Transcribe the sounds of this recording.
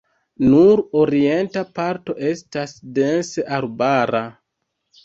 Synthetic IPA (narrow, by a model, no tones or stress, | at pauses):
nuɾo̞ɾie̞ntapaɾto̞ʔe̞stasde̞nseʔaɾbaɾa